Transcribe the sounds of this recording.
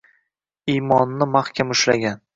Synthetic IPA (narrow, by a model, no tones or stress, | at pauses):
imɒnːɪmahkʲʰamʊʃlaɡʲan